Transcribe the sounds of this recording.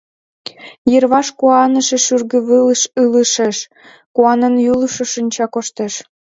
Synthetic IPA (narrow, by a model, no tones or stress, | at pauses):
jərβɑʃkuɑnə̆ʃĕʃyrɣə̆βələʃɯləʃeʃ | kuɑnənjuluʃə̆ʃənʲt͡ɕɑkoʃt̪eʃ